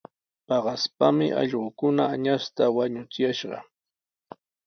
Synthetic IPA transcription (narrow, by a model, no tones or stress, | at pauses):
pɑɢɑspamɪ̰ʔɑ̰ʎɢʊkʊnaːɲast̪awaɲʊt͡sɪjaʃɢɑ̰